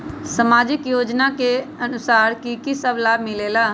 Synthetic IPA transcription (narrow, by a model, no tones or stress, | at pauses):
səmaːd͡ʒɪkjoːd͡ʒnakeənʊsaːɾkikisəblaːbmɪleːlaː